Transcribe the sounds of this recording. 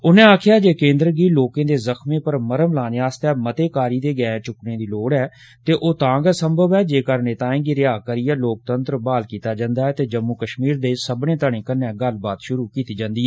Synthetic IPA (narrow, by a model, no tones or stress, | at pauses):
ʊnẽːaːkʰɪjaːd͡ʒeːkẽːnd̪ɾəɡiːloːkẽːd̪eːzəkʰmẽːpəɾməɾəmlaːneːaːst̪ɛːmət̪eːkaːɾiːd̪eːɡɛ̃ːt͡ʃʊknẽːd̪iːloːɽɛː | t̪eːʔoːt̪ãːɡɛːsəmbʱəbɛːd͡ʒeːkəɾneːt̪ãːẽːɡiɾɪaːkəɾiːɛːloːk̚t̪ənt̪ɾəbaːlkiːt̪aːd͡ʒãːnd̪aːɛːt̪eːd͡ʒəmːuːkəʃmiːɾd̪eːsəbnẽːt̪əɳẽːkənːɛ̃ːɡəlbaːt̪ʃʊɾuːkiːt̪iːd͡ʒãːnd̪iːɛː